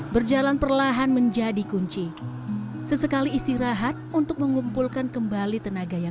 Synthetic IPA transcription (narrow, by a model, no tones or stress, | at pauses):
bərd͡ʒalanpərlaɦanməɲd͡ʒadikuɲt͡ʃi | səsəkaliːst̪iɾaɦat̪̚unt̪ʊk̚məŋumpulkankəmbalit̪ənaɡaja